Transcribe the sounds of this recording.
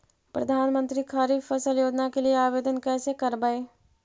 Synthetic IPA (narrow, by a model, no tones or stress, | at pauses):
pɾɐd̪ʱaːnmə̃nt̪ɾikʰaːɾiːfɐsəljoːd͡ʒ̪nakelieaːʋeːd̪ənkɛːsekɐɾbaeː